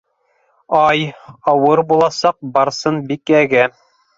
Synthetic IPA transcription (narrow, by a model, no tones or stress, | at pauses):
ɑjɑwɤɾbulˠɑsɑq̚bɑɾsɤnbikæɡæ